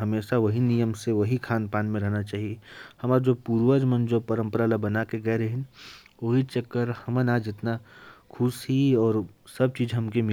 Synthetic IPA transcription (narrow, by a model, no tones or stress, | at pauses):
ɦɐmeːʃaʋɐɦinijəmseʋɐɦikʰaːnpaːnmẽɾɐɦnat͡ʃaːɦiehɐmaːɾd͡ʒoːpuːɾʋəd͡ʒmə̃nd͡ʒopɐɾə̃mpəɾalabɐnakeɡɐeɾɐɦɪn | ʋoɦit͡ʃɐkːəɾhɐmənaːd͡ʒɪt̪nakʰʊsɦiɔːɾsɐb̚t͡ʃiːd͡ʒɦɐmkemɪ